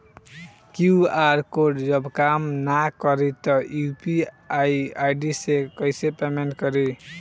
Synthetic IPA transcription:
kjuaɾkoɖd͡ʒʌbkamnakʌɾit̪ʌupi | ajajɖisekʌjsepemeɳʈkʌɾi

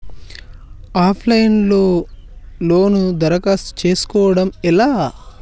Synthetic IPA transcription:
aːpʰlɐjnlo̞ː | loːnud̪ɐɾɐkaːst̪t͡ʃe̞ːsu̥kɔːʋɐɽɐmɛlaː

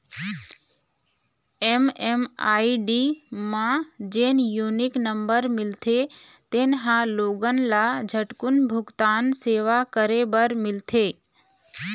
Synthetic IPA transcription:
ememaːiɖimãd͡ʒeːnjunɪknəmbəɾmɪlt̪ʰe | t̪enɦãloːɡənlad͡ʒʱəʈkʊnbʱʊɡt̪aːnseʋakəɾebəɾmɪlt̪ʰe

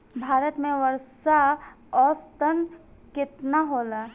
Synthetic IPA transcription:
bʱaːɾət̪mẽʋəɾsa | ɔːst̪ənkɪt̪naɦoːlaː

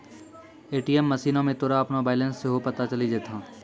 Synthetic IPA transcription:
eːʈiːɛmːɐsiːnõmẽt̪ʊːɾaɐpnabaːlə̃nsːeɦopɐt̪at͡ʃɐlid͡ʒeːt̪ʰãː

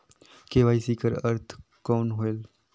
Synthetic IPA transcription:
keːʋaːisiːkəɾəɾt̪ʰkɔːnɦoːel

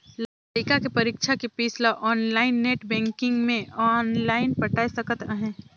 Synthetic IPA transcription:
la | ɾiːkakepɐɾikʃʰakipiːslaʔɔːnlaːɪnːeːʈbɛ̃ːŋkɪ̃ŋɡmẽɔːnlaːɪnpɐʈaːisəkət̪əɦɛ̃ː

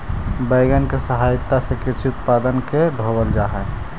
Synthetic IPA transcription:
bəɪɡənkesəɦajt̪ːasekiɾt͡ʃʰiut̪̚pad̪ənkeɖʱobəld͡ʒaɦɛ

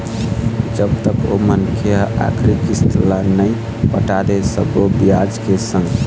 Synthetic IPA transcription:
d͡ʒəbt̪əko̰mənkʰjəa̰kʰɾikist̪lanəj | pəʈad̪esə̰bobijad͡ʒkesə̃ŋɡ

